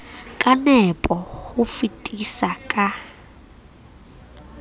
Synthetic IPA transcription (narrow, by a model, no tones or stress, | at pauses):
kʼanɛpʼɔhʊfitʼisakʼa